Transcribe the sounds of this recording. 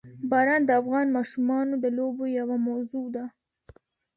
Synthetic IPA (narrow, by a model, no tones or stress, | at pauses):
bɑɾɑnd̪əafɣɑnmɑʃumɑnod̪əlobojawamazud̪a